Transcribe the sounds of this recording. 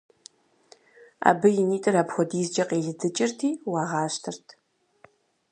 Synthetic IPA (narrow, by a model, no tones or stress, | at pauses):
a̰ːbɨjɪniːtʼɨraːpxʷɔdiːzd͡ʒɐqʼeːɮɨdɨt͡ʃʼɪrtʰiːwɑːʁɑːɕtʰɨrtʰ